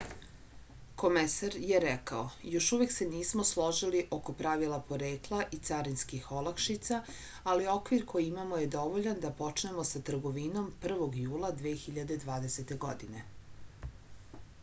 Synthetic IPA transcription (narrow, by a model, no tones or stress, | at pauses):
ko̞mesaɾje̞ɾɛkaojo̞ʃuʋekse̞niːsmo̞slˠo̞ʒiliʔo̞ko̞pɾaʋilˠapo̞ɾe̞ːklˠaʔit̪saɾinskixo̞lˠakʃit̪saː | lio̞kʋiɾkʰo̞jiimamo̞je̞d̪o̞ʋo̞ʎand̪apo̞t͡ʃne̞mo̞sat̪r̩ɡo̞ʋino̞mpr̩ʋo̞ɡjuːlˠad̪ʋeːxiʎad̪e̞d̪ʋaːd̪ese̞t̪e̞ɡo̞d̪ine̞